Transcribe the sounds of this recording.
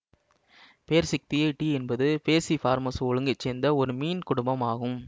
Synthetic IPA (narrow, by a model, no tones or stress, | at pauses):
peːɾsɐk̚t̪ɪjɐɪʈiɛnbɐðɯpeːsifaːɾmɐsɔɻɯŋɡɐt͡ʃːeːnd̪ɐɔɾɯmiːnkʊɽʊmbɐmaːɣɯm